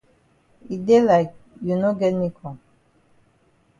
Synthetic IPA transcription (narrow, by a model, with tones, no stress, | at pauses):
i˨de˦la˨ɪk̚ju˨no˦ɡɛ˦ni˦kʰɔ̃˨